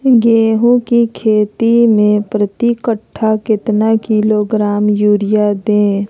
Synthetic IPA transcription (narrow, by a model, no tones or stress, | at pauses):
ɡeːɦũkikʰeːt̪imẽpɾət̪ikəʈʰːakɪt̪nakiloɡɾaːmjuːɾɪjad̪ẽː